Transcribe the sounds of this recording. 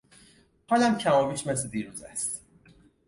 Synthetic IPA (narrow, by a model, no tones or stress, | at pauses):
hɒlæmcʰæmɒːviːʃmes̬led̪iːɾuːzæ̰st̪